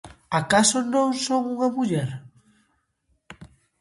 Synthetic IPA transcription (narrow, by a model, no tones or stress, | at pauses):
akasonõŋsoŋuŋɐmuʎɛɾ